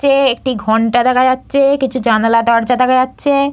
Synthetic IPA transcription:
eek̚ʈiɡʱɔɳʈad̪ɛkʰad͡ʑatːɕʰekit͡ɕʰud͡ʑanalad̪ɔɾd͡ʑad̪ɛkʰad͡ʑatːɕʰe

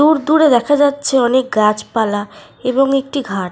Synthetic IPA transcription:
uɾd̪uɾed̪ɛkʰad͡ʑatːɕʰeɔnek̚ɡat͡ɕpala | eboŋek̚ʈiɡʱaʈ

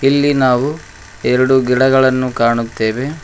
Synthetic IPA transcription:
ilːinaːʋu | ɛɾɐɽuɡiɽɐɡɐɭɐnːukaːɳut̪ːe̞ːʋe̞

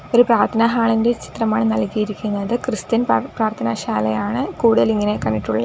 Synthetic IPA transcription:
o̞ɾupraːrt̪ʰɐnɐɦaːɭinde̞t͡ɕi̥t̪rɐmaːɳɨnɐlkːijiɾikʲːunːɐðɨkrɨst̪inpraːrt̪ʰɐnɐɕaːlɐjaːɳɨkuːɽuðɐliŋːɐne̞kɐɳːiʈːuɭːɐ

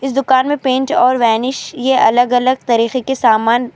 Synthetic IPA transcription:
ɪs̬d̪ʊkaːnmẽpẽːɳʈɔːɾʋɛːnɪʃjeʔɐləɡɐləɡ̚t̪aːɾiːxekesaːmaːn

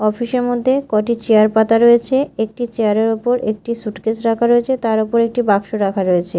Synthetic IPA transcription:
ɔfiʃeɾmod̪ʱːekɔʈit͡ɕeaɾpat̪aɾoet͡ɕʰeek̚ʈit͡ɕeaɾeɾopoɾek̚ʈisuʈket͡ɕɾakʰaɾoet͡ɕʰet̪aɾopoɾek̚ʈibakʃoɾakʰaɾoet͡ɕʰe

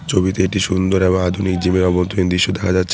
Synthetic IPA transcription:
t͡ɕʰobit̪eeʈiʃund̪oɾeboŋad̪ʱunik̚d͡ʑimeɾɔbont̪oind̪ɾiʃːod̪ɛkʰad͡ʑatːɕʰ

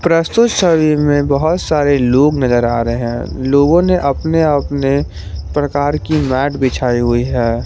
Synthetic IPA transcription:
pɾəst̪ʊt̪ʃəwimẽbɐɦʊt̪saːɾeloːɡnɐzəɾa̰ːɾəeɦɛ̰̃ːloːɡõneʔɐpneɐpne | pɾəkaːɾkimɛːʈbɪt͡ʃʰaːiɦʊiɦɛː

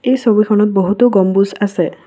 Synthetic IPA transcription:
ejsɔbikʰɔnɔt̪̚bɔɦut̪ɔɡɔmbusase

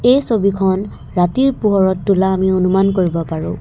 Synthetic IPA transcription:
ejsobikʰɔn | ɹatiɹpuɦɔɹɔtːulaːmionumankoɹibɔpaɹʊ̰̃

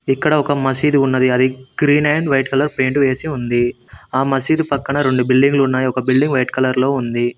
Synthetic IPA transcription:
ikːɐɽɐɔkɐmɐsiːd̪uunːɐd̪iɐd̪iɡ̥ɾiːnɐːɳɖʋɐjʈkɐlɐɾpe̞ːɳʈuʋeːsiund̪i | aːmɐsiːd̪upɐkːɐɳɐɾe̞ɳɖubiɭɖiŋɡluunːaːjiɔkɐbilɖiŋɡʋɐjʈkɐlɐɾlo̞ːund̪i

